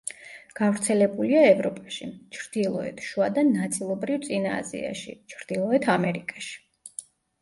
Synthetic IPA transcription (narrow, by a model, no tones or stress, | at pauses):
ɡ̥avɾt̪sʰɛlɛbuliaɛvɾɔpʼaʃit͡ʃʰɾd̪̥ilˠɔɛ̰t̪ʰʃuad̪anat̪sʼilˠɔbɾivt̪sʼina̰ːzḭa̰ʃḭt͡ʃʰɾd̪̥ilˠɔɛt̪ʰamɛɾikʼaʃi̥